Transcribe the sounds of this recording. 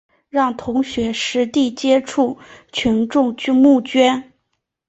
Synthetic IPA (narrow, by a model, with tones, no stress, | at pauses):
ɻɑ˥˩ŋt̪ʰʊ˧˥ŋɕɥɛ˧˥ʂɻ̩˧˥t̪i˥˩t͡ɕjɛ˥ʈ͡ʂʰu˥˩t͡ɕʰi˧˥nʈ͡ʂʊ˥˧ŋ˥mu˥˩t͡ɕɥɛ˥n